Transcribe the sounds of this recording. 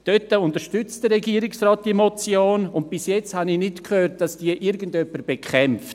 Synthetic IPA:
d̥œtəʊntəɾʃtʏt͡std̥əɾɛɡiːəɾɪksrɑːt̚d̥iəmot͡sjoːnʊnt̚b̥ɪsjɛt͡sthanɪnɪtkhøːɾt̚d̥ɑsd̥iəʔɪɾɡəndœpːəɾb̥ekχɛmft

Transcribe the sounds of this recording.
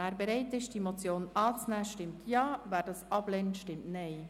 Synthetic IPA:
æːɾbɛɾɛɪtɪʃd̥imot͡sjoːnɑːt͡snæːʃtɪmtʰjɑːvæːɾdɑːsɑblɛntʃtɪmtnɛɪ

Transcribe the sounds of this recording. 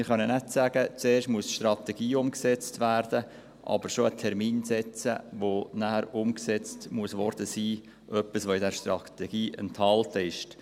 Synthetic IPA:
ɪχœnənætsæɡ̥ət͡seːrʃtmuəsʃtrɑt̪ɛɡ̥iːʊmksɛt͡stʋæːɾd̥ə | ʔɑ̰b̥əɾʃoətʰɛɾmiːnsɛt͡sə̰ʋonæhəɾʊmksɛt͡stmuəsʋɔɾd̥əsiː | ʔœpːisʋoɪdɛɾʃtrɑt̪ɛɡ̥iːʔə̰ntʰɑltəɪʃt

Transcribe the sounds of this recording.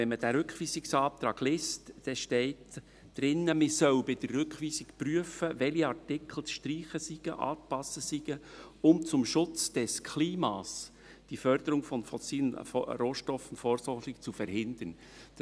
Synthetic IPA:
ʋɛnməd̥æɾʏkχʋiːsɪksɑːp̚t̪ɾɑːɡ̥lɪstd̥ɛʃtɛɪt | d̥ɾɪnəmɪsœwbɪd̥̪ərːʏkʋiːsɪkpɾyəfəʋɛliɑɾtɪkʰl̩sʃtɾiːχəsiɡ̥ə̰ʔɑ̰ːtpɑsəsiɡ̥əʊmt͡sʊmʃʊt͡sd̥ɛskʰliːmɑːs | d̥ifœɾd̥̪əɾʊŋfɔnfɔsiːlənɾoːʃtɔfntfoːɾsɔɾχɪkt͡sufɛɾɦɪnd̥̪ən̥

